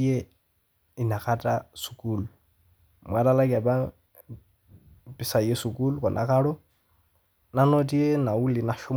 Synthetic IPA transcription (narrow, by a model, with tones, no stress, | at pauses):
e˦ | i˨na˨kʰa˦tʼasu̥˨kʼu˦˨lu | mwa˦ɾa˦la˦kʼa˨ba˦ | pʼɪ˨sa˨ije˦su˨kʼu˦lu˦kʼɔ˨nʔa̰˨kʰa˦ɺɔ˦ | na˦no˦tʼi˦ɛ˦na˨u˦li˨na˨ʃu˦m